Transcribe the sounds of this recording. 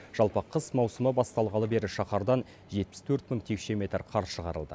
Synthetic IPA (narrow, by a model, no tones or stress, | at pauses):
ʒ̥ɑlˠpəqʰəsmɑwsəməbɑst̪ɑlˠʁɑləbe̞ɾɪʃɑχɑɾd̪ɑn | ʒe̞t̪̚pɪ̥st̪ʰɵɾt̪məŋt̪ʰe̞kʃe̞mʲe̞t̪rqʰɑɾʃəʁɑ̰ɾəlˠd̪ə̰